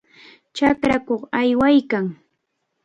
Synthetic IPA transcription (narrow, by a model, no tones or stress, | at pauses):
t͡ʃakɾakoχajwajkaŋ